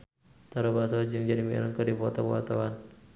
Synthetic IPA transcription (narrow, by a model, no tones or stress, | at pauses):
t̪aɾobasɔd͡ʒɨŋd͡ʒadimiḭɾəŋkədipɔt̪ɔpua̰t̪ɔwan